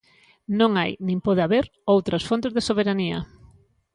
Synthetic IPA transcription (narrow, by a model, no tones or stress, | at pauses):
nõŋajnĩmpoðeaβeɾowt̪ɾɐsfont̪ezðesoβeɾaniɐ̰